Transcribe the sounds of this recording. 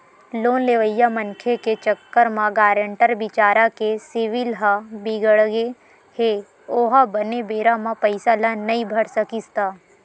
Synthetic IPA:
loːnleʋəjːamɐ̃nkʰeket͡ʃəkːəɾmãɡaːɾə̃ɳʈəɾbɪt͡ʃaːɾakesɪʋɪlɦabiɡəɽɡe | he | oːɦabənebeːɾamãpɐɪsalanɐɦĩbʱɐɽsəkist̪aː

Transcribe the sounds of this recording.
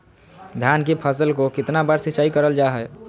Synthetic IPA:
d̪ʱjankipʰəsəlkokɪt̪nabəɾsit͡ʃaikəɾəld͡ʒaɦə

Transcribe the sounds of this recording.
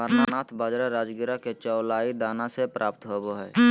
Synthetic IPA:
əɾnanaːt̪ʰbaːd͡ʒɾaɾaːd͡ʒɡɪɾaket͡ʃɔːlaːid̪aːnasepɾʔaːp̚t̪ɦoboɦɛː

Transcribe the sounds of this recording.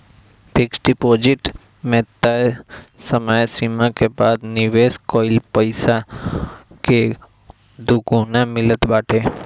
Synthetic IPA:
pʰiksʈipod͡ʒiʈ | mɛt̪ːaesəmajsimãkebad̪niʋeskɔilpəjsa | ke | d̪ʱuɡunamɪlət̪baʈe

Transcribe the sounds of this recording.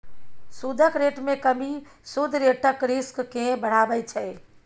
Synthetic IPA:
sud̪ʱəkɾeʈmekəmisud̪ʱɾeʈəkɾiskːẽbəɽ̤abɛjt͡ʃʰə

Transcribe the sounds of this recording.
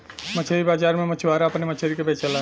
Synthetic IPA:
mət͡ʃʰeɾibaːd͡ʒaːɾmẽmət͡ʃʰʋaːɾaɐpnemət͡ʃʰeɾikebeːt͡ʃʰala

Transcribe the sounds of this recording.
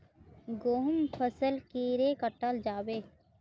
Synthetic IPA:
ɡoːɦʊmpʰəsəlkiːɾeːkəʈːaːld͡ʒaːbeː

